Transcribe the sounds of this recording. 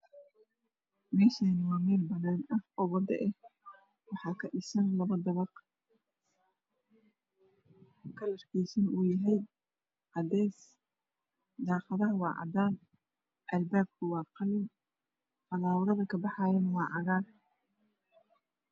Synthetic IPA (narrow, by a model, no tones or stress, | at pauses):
mɛːʃaːnɪwɑːmɛːlbɐnaːnɐhɔwɐd̪ɐ̰ʔɛh | wɑħɑːkʰɐɗɪsɐnlɐβɐd̪ɐβɑq | kʰɐlɐrkʰijsɐnʔuːjɐɦɛj | ʕɑd̪ɛːs | d̪ɑːqɑðɐɦɐwɑ̰ːʕɑ̰d̪aːn | ʔɐlbaːb̚kʰʊwɑːqɑlɪn | fɐlaːwɾɐðɐkʰɐbɑħɑːjɛnɐwɑːʕɑɾaːr